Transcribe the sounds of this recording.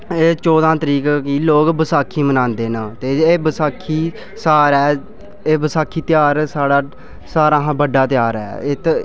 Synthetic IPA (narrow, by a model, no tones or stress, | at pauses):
eːt͡ʃɔːd̪ãːt̪əɾiːkːkiːloːkbəsaːkʰːiːmənãːnd̪eːnaːt̪eːeːbəsaːkʰːiː | saːɾɛː | eːbəsaːkʰːiːt̪ɪjaːɾsaːɽaː | saːɾãːɦãːbəɖːaːt̪ɪjaːɾɛ̰ːɪːt̪